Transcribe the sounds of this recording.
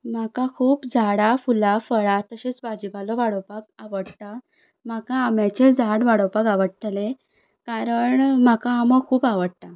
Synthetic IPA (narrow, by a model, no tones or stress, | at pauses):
m̤akakʰuːpd͡zʱaɽafulafəɭat̪əɕet͡sbad͡ʑibalɔʋaɽɔpak̚aʋəɽt̪a | m̤akaːmjat͡ɕed͡zʱaɽʋaɽopakaʋəɽt̪ʰəle | kaɾəɳmakaːməkʰuːpaʋəɽt̪a